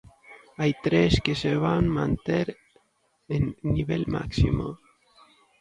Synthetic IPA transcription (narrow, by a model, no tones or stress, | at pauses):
ajt̪ɾeskeseβaŋmãnt̪eɾ | enːiβelma̰ksḭmo̰